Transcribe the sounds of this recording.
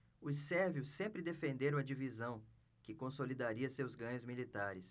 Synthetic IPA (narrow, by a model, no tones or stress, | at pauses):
ʊsɛɾviʊsːẽmpɾɪd̪efẽnd̪eɾɐ̃ɐd͡ʒivizɐ̃w̃ | kɪkõsolid̪aɾiɐsewzɡɐ̃ɲʊzmilit̪aɾɪs